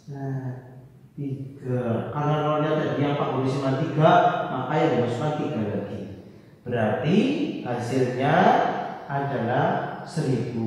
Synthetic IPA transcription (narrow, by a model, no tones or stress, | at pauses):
na | t̪iɡ̥arkaɾənakalaɲat̪adiiampaʔ̚bolisinant̪iɡaʔmʔakajadabaskant̪iɡarlaɡi | b̥əɾart̪ihasɪlɲa | ʔadalahsəɾibu